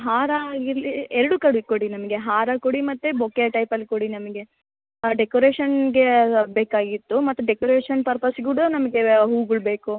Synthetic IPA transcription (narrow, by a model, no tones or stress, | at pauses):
ɦaːɾaːɡiɾɐlieɾɐɽukɐɽukoɽinɐmɐɡe̞ɦaːɾɐkoɽimɐt̪ːubʱokeʈɐjpɐlːikoɽinɐmɐɡe̞ | ɖekoːɾeːʃɐnɡe̞beːkaːɡit̪ːumɐt̪ːuɖekoːɾeːʂɐnpɐɾpɐsɡuɽunɐmɐɡe̞ɦuːɡuɭbe̞ːku